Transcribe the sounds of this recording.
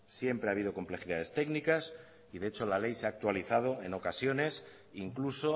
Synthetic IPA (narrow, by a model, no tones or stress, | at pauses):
sje̞mpɾeaβ̞ið̞o̞ko̞mple̞xiðað̞e̞st̪e̞knikas | iðe̞et͡ʃo̞lale̞jseak̚t̪waliθað̞o̞e̞no̞kasjo̞nes | iŋkluso̞